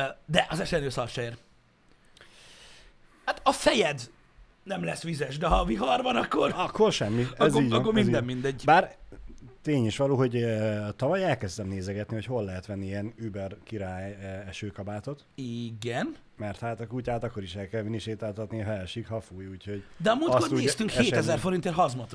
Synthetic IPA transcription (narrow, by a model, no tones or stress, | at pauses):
d̪ɛʔɒzɛʃɛnøːsɒrʃeeːr | hat̪ɒfɛjɛd̪ | nɛmlɛsʋizɛʃd̪ɛɦɒviɦɒrbɒnɒkːorɒkːo̞rʃɛmːiɛziːɟɒkːorminɛmmind̪ɛɟːbaːr | t̪eːɲiʃʋɒloːɦo̞ɟt̪ɒvɒjɛlkɛzt̪ɛmneːzɛɡɛt̪nihocho̞lːɛɦɛt̪ʋɛnːiiɛnybɛrkiɾaːjɛʃøːkɒbaːt̪o̞t̪iɡɛn | mɛrt̪haːt̪ɒkucaːt̪ɒkːo̞ɾiʃɛlkɛlminiʃeːt̪aːlt̪ɒt̪niɦɛʃikhɒfuːjuːcho̞ɟd̪ɛɒmuːt̪skort̪uest̪yŋkheʃːt̪ɛzɛrfo̞ɾint̪elɦɒzmot̪